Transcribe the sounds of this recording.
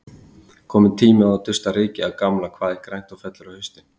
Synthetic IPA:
kʰɔːmɪt̪ʰiːmɪaawt̪ʏst̪aɾɪːcɪaðkamlakʰv̥aːðɪkɾajn̥t̪awfɛt̪lʏɾawhʏst̪ɪn

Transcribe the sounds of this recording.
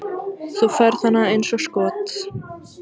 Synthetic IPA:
θufaɾ̥θanːaejnsɔskɔːt̪

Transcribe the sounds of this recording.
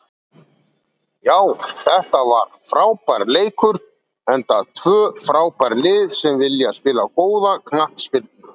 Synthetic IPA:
jaːwθɛht̪avaɾ̥fɾaːwpaɾleːjkʏɾ | ɛnt̪at̪ʰvœːfɾaːwpaɾlɪːðsɛmvɪljaspɪːlakoːwðakʰnaht̪spɪlt̪n

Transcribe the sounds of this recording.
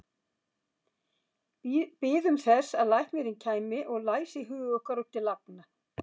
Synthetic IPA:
pɪːðʏmθɛsaðlajhk̪mjɛɾɪncʰaːjmɪʔɔɣlaːjsɪiɦʏːɣœhkaɾʏht̪ʰɪlːapna

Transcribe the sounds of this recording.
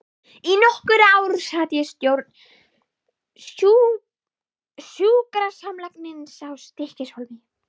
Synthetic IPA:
inɔhkʏɾaːwɾsaðjɛst̪jowɾt̪n | su | sjuːkɾasamlaknɪnsawst̪ɪhcɪshɔlvi

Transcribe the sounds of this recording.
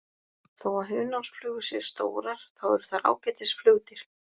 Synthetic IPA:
θowaðɦʏːnawsflʏːɣʏsɛ̥st̪o̰ːwɾaɾ̥θawɛɾʏ̥θaɾa̰ːwcajt̪ɪsflœːɣt̪ɪɾ̥

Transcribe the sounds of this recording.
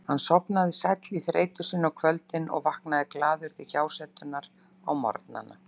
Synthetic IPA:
hanːsɔpnaðɪsajt̪liθɾḛːjt̪ʏsɪnːɔkʰvœlt̪ɪnɔ̰ɣvahknaðɪklaːðʏɾ̥t̪ʰɪçaːwsɛt̪ʏnːaɾ | a̰wmɔ̰ɾt̪na̰nːa̰

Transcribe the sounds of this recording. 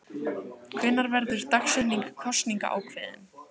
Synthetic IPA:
kʰvɪnːaɾvɛɾðʏɾ̥t̪axsɛniŋkkʰɔst̪niŋka̰ʔa̰ːwkʰvɪðɪm

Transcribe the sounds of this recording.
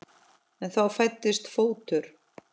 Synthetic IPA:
ɛnθawfajt̪ːɪst̪foːwt̪ʏɾ̥

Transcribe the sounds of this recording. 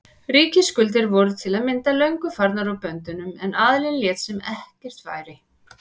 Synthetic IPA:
riːcɪskʏlt̪̬ɪɾvɔɾʏt̪ʰɪlaðmɪnt̪alœɥŋkʏfaɾt̪naɾawpœnt̪ʏnʏmɛnaðlɪnljɛːt̪sɛmɛhcɛr̥t̪fa̰ːjɾɪ

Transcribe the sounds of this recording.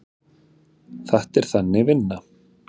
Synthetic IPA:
θaht̪ɛɾ̥θanːɪvɪnːa

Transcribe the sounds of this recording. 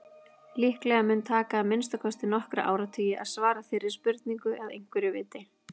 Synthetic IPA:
lihklɛɣamɛnt̪ʰaːkaːmɪnst̪akʰɔst̪ɪnɔhkɾa̰ʔa̰ːwɾat̪ʰœːjɪʔa̰ðsvaːɾafɪːɾɪɾ̥spʏɾt̪niŋkʏʔɛðḛjŋ̥kvɛɾɪvɪːt̪ɪ

